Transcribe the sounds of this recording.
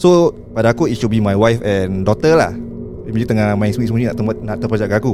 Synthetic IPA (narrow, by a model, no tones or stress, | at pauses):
so | padaakuitʃubimajwajfɛ̃ndɔt̪əla̰h | imad͡ʒit̪əŋamãĩsmismũɲinaʔt̪əmat̪̚naʔt̪əpad͡ʒaʔkaaku